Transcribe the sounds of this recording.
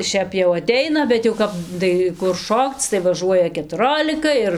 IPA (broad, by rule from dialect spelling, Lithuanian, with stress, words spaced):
ˈʃʲɛp jɛʊ ɐˈtʲɛɪnɐ bʲɛt jɛʊ ˈkɐp ˈdɐɪ kʊr ˈʃoːkt͡s tɐɪ ʋɐˈʒuɔjɛ kʲɛtʊˈroːlʲɪkɐ ɪr